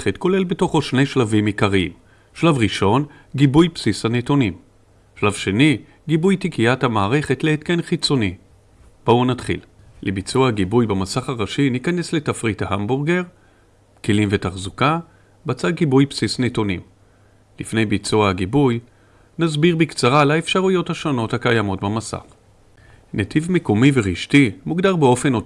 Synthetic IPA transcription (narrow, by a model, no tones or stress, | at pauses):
χetko̞le̞lbeto̞χoʃne̞jʃlavimikaʁiḭm | ʃlavʁiʃo̞n | ɡibujpsishanetonim | ʃlavʃe̞ni | ɡibujtikiathamaːʁe̞χe̞tleːt̪kenχit͡so̞ni | b̥o̞natχḭl | lʔebit͡suaaɡibujbemasaχaʁaʃinikane̞sle̞tafʁitahambuʁɡe̞ʁ | kelimve̞taχzuka | bat͡sad̚ɡibujpsisnetunḭ | lifne̞jbit͡suahaɡibuj | nazbiʁbikt͡saʁalaefʃaʁujo̞thaʃo̞no̞thakajamo̞tbamasa̰χ | netʰivmekomiveʁiʃtimuɡd̪aʁbeo̞fe̞no